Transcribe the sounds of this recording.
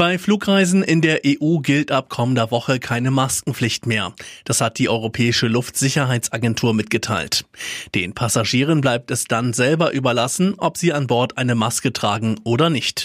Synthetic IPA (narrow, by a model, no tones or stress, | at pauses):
b̥aɪfluːkʁaɪzn̩ʔɪndeːɐʔeːʔuːɡɪltʔap̚kʰɔməndɐvɔχəkʰaɪnəmaskŋ̩flɪçtmeːɐd̥ashat̚d̥iːʔɔʏʁopʰɛːɪʃəlʊftz̥ɪçɐɦaɪt͡sʔaɡɛntʰuːɐmɪt̚ɡ̥ətʰaɪltd̥eːnpʰasaʒiːʁ̞ənblaɪp̚tɛsd̥anzɛlbɐʔyːbɐlasn̩ʔɔpz̥iːanbɔɐtʔaɪnəmaskətʁ̥aːɡŋ̩ʔoːdɐnɪçt